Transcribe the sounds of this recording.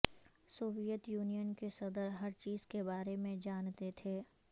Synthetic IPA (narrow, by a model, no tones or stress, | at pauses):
soːʋijət̪juːnijənkesɐd̪əɾɦɐɾt͡ʃiːz̥kebaːɾemẽd͡ʒaːnt̪et̪ʰeː